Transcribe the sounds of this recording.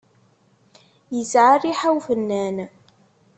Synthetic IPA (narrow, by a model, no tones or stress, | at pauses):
jəsʕariħawfənːæn